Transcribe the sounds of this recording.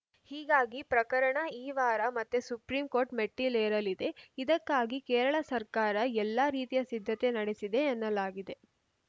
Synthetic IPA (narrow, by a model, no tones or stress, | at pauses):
hiːɡaːɡipɾɐkɐɾɐɳɐiːʋaːɾɐmɐt̪ːesupɾiːmko̞ːɾʈmeʈːilejɐɾɐlid̪e̞id̪ɐkːaːɡikɛːɾɐɭɐsɐɾkaːɾɐɛlːaːɾiːt̪ijɐsid̪ʱːɐt̪e̞nɐɽesid̪e̞ɐnːɐlaːɡid̪e̞